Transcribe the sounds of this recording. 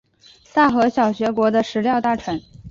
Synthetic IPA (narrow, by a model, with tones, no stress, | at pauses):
sa˥˩xɤ˧˥ɕjɑ˨˩ʊɕɥɛ˧˥kwɔ˧˥d̪ə˧ʂɻ̩˧˥ljɑ˥˧ʊt̪a˥˩ʈ͡ʂʰə˧˥n